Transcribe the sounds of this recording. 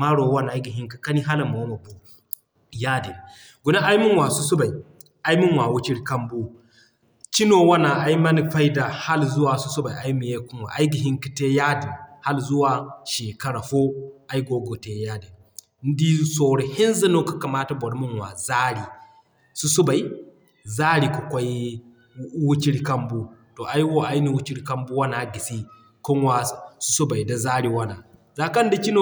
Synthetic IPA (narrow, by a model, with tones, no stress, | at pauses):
ma˦ɽo˨wa˦n˨a˦jɡi˨ɦi˦ŋka˨ka˦ni˦ɦa˦lmo˨˦ma˨bu˨˦ | jaː˦de˨n˨ | ɡu˨na˦ʔa˦jmu˦nwaː˨su˦su˦ba˨i˨ | ʔa˦jmu˦nwa˨wu˦t͡ʃi˦ɾkɐ˦mbo˦ | t͡ʃi˦noː˨wa˦na˨ʔa˦jmɐ˦ni˨ɸa˦jda˨ha˦lzu˦waː˨su˦su˦ba˨ʔa˦jmi˨je˦ku˦nwa̰˨ʔa˦jɡi˨ɦi˦ŋki̥˨te˦jaː˦di˨nha˦lzu˦waː˨ʃeː˨kɐ˦ɽa˨ɸo˦ʔa˦jɡo˦ɡo˨te˦ja˦di˨ | n̩˦di˦so˨ɽe˨hɪ˦nzɐ˦no˦ka˨ka˨maː˦ta˨bɔ˨ɽmu˦nwa˨zaː˦ɽi˨ | su˦su˦ba˨i˨ | zaː˦ɽi˨ka˨kʷa˦j | wu˦t͡ʃi˦ɾi˦kɐ˦mbu˦to˨ʔa˦jwo˦ʔa˦jni˦wu˦t͡ʃi˦ɽi˦kɐ˦mbu˦wa˦na˨ɡi˨si˦ | kʊ˦ŋwa˦su̥˦su˦ba˨jda˨zaː˦ɽi˨wa˦na˨ | za˨kɐ˦n˦da˦ki˦no˦